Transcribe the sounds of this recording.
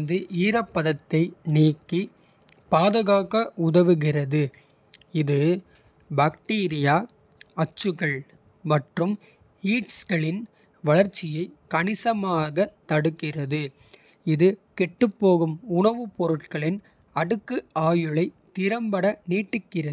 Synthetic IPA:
nd̪ɯʔiːɾɐpːɐðɐt̪ːɐɪniːkːi | paːðɐɣaːɣɐʊðɐʋɯɣɪrɐðɯ | ɪðɯ | baːk̚ʈiːɾɪjaː | ɐt͡ʃːɯɣɐɭ | mɐʈrɯm | iːʈsɣɐɭɪn | ʋɐɭɐɾt͡ʃːɪjɐɪkɐɳɪsɐmaːɣɐt̪ːɐɽɯkːɪrɐðɯ | ɪðɯkɛʈːɯpːoːɣɯmʊɳɐʋɯpɔɾɯʈ̚kɐɭɪn | ɐɽɯkːɯaːjɯɭɐɪt̪ɪɾɐmbɐɽɐniːʈːɯkːɪrɐ

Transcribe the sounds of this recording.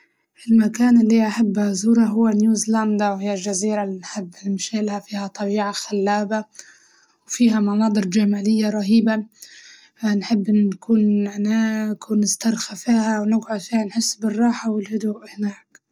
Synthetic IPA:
ʔɪlmakaːnɪlːiʔaħabːazuːɾˤɑɦʊwːanjuːzland̪awhɪjːald͡ʒaziːɾalinħɪbːmʃaːlhafiːhat̪ˤɑbiːʕaxalːaːba | wfiːɦamɑnɑːd̪ˤɨɾd͡ʒamaːlɪjːaɾˤɑɦiːba | anħɪbːkʰuːnnaːkwnɪst̪ɑɾˤxafiːhawnɪɡʕʊd̪fiːhanħɪsːbɪrˤːɑːħawɪlhʊd̪uʔhɪnaːk

